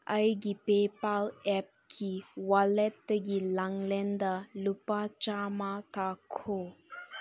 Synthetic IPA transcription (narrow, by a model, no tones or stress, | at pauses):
ɐjɡipeːpalɛp̚kʰiwalɛt̪ːəɡilaŋlɛnd̪alupat͡ʃamat̪akʰo